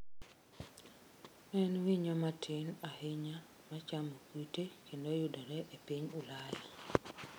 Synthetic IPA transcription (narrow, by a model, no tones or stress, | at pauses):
ɛnwiɲɔmatʰɪnahɪɲa | mat͡ʃamokwitekʰendojʊdɔɾɛʔepiɲʊlaji